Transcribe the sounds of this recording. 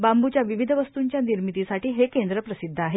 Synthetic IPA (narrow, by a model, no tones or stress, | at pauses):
bambut͡ɕjaʋiʋid̪ʱəʋəst̪uɲt͡ɕjaniɾmit̪isaʈʰiːɦekend̪ɾəpɾəsid̪ʱːəaɦe